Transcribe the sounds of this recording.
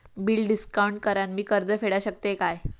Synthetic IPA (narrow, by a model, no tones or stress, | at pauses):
biːɭɖiskawɳʈ̚kəɾanmiːkəɾd͡zəfeɽaɕək̚t̪ekaj